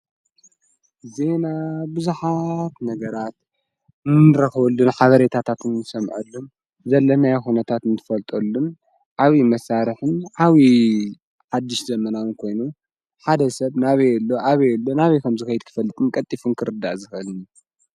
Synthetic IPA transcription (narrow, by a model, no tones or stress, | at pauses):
ze̞nabɨzuħat̪nɐɡɐɾat̪̚ | nɨɾɐxɐβɐlːunħaβɐɾet̪ʰat̪ʰat̪ʰɨnɨsɐmʕɐ̰lːun | zɐlːɐnajxunɐt̪ʰat̪ɨnt̪ʰɨ̥fɐlt̪ʼolːun | ʕaβimɐsaɾɨħɨnʕaβi | ħad̪ːɪʃzɐmɐnawɨnkʰo̞jnu | ħad̪ɐsɐβnaβejɛlːo̞ʔaβejɛlːonaβikʰɐmzɨkxɐjɨd̪̚kʰɨ̥fɐlːɨt̪ʼɨnkʼɐt̪ʼːifunkʰɨɾɨd̪ːaʔzɨxɨlɨn